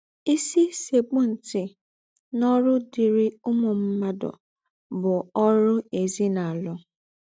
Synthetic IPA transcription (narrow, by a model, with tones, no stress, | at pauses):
i˦si˦se˨k͡pʊ˦n̩˨tɪ˨ | nɔ˦ɾʊ˦di˨ɾi˦ʊ˦mʊ˨m̩˦ma˦dɔ̰˨ | bʊ˨ɔ˦ɾʊ˦e˨zi˦na˨a˨lʊ˦